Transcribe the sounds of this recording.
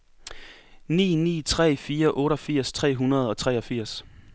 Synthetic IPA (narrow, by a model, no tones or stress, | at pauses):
nḭːnḭːt͡sʰʁɛ̰ːfiːɐʔɔ̽ːɾɒfiɐ̰st͡sʰʁɛ̰ːɦunɐð̞̩ˠɒ̽t͡sʰʁɛːɒ̽fiɐ̰s